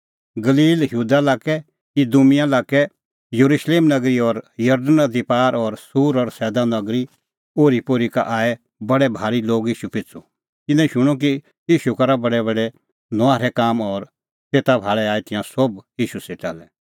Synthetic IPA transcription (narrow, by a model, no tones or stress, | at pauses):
ɡɐliːljuːd̪alaːkɛ | kid̪ʊmɪ̃jalaːkɛ | jəɾuʃleːmnɐɡɾiɔɾjɐɾɖənɐd̪ipaːɾɔɾsuːɾɔɾsɛːd̪anɐɡɾi | oːɾipoːɾika̰ʔaːɛ | bɐɽɛbʱaːɾiloːɡiːʃupɪt͡su | t̪ɪ̃nɛ̃ʃʊɽ̃ɔk̬i | iːʃukɐɾabɐɽɛbɐɽɛ | nɔaːɾɛkaːmɔːɾ | t̪eːt̪abʱaːɭɛaːɛt̪ɪ̃jãsobiːʃuseʈa̰ːlɛ